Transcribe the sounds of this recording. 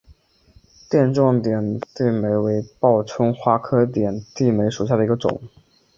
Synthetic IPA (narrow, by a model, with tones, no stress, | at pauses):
t̪jɛ˥˧nʈ͡ʂwɑ˥˩ŋt̪jɛ˨˩nt̪i˥˩me˧˥ɪwe˧˥ɪpɑ˥˩ʊʈ͡ʂʰʊ˥ŋxwa˥kʰɤ˥t̪jɛ˨˩nt̪i˥˩me˧˥ɪʂu˨˩ɕja˥˩d̪ə˩i˧˥ɡə˧ʈ͡ʂʊ̰˨˩˦ŋ